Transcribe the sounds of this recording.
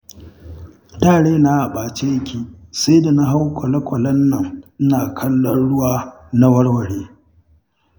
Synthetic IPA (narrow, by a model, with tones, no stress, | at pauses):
taː˦˨ɽeː˦na˦ʔa˨ɓaː˨t͡ʃe˦jkʲiː˦˨sa˦da˨na˦ɦa˦wkʷʰɐ˨lɐ˦kʷɐ˨lɐ˦nːɐ˨ŋʔɪ˦naː˨kʰɐ˦lːɔ˦nɽʊ˦waː˦ | na˦wɐ˦rwɐ˨ɽeː˦